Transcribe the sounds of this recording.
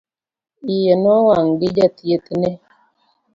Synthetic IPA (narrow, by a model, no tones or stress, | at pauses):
ijenɔwaŋɡɪd͡ʒat̪jet̪ne